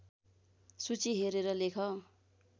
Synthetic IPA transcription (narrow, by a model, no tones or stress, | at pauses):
sut͡siɦeɾeɾʌlekʰʌ